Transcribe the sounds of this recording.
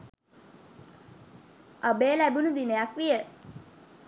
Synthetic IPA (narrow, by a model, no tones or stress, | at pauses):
ʔabeːlæbunud̪inejakʋijə